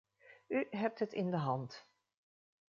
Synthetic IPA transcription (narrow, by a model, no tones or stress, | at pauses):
yɦɛp̚tɦətɪndəɦɑnt